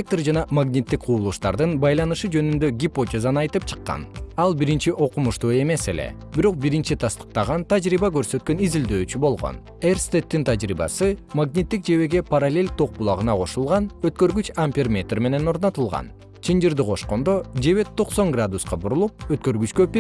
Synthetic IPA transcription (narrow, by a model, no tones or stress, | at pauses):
ek̚t̪rd͡ʒɑnɑmaɡnʲit̪ːik̚qʰuːlˠuʃt̪ɑ̰ɾd̪ɯnbɑjlˠɑnɯʃɯd͡ʒø̞nynd̪øɡʲipo̞tʲezanɑjt̪ɯp̚t͡ʃʰɯ̥qːɑ̰nɑlˠbiɾint͡ʃiʔo̞qumuʃt̪ue̞me̞se̞le̞̰ | biɾo̞q̚biɾint͡ʃit̪ʰɑst̪ɯ̥q̚t̪ɑʁɑnt̪ad͡ʒɾiβɑkø̞ɾsø̞t̪̚kø̞nizild̪øːt͡ʃybo̞lˠʁo̞̰n | erst̪et̪ːint̪ʰad͡ʒɾḭbɑ̰sɯmaɡnʲit̪ːik̚d͡ʒe̞βe̞ɡe̞paɾalʲe̞lʲt̪ʰo̞q̚bulˠɑʁɯnɑqʰo̞ʃulˠʁɑnøt̪̚kø̞ɾɡyt͡ʃampʲirmʲe̞t̪rme̞ne̞no̞ɾno̞t̪ulˠʁɑ̰n | t͡ʃʰind͡ʒiɾd̪iqʰo̞ʃqo̞nd̪o̞d͡ʒe̞βe̞t̪ʰːo̞qso̞ŋɡrad̪usqɑbuɾulˠup̚øt̪̚kø̞ɾɡyt͡ʃkøpʲ